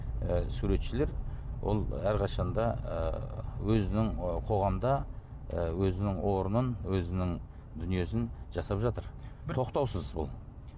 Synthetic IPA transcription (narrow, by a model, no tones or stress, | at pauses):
suɾe̞t̪ʃɪle̞ɾwʔo̰lˠæɾqʰɑʃɑnd̪ɑ̰ | wɵzɪnɪŋqʰo̞ʁɑmd̪ɑ | wɵzɪnɪŋwo̞ɾənənwɵzɪnɪŋ | d̪ʏnije̞sɪnʒɑsɑpʒɑt̪əɾt̪ʰo̞qt̪ɑwsəzbʊ̰lˠ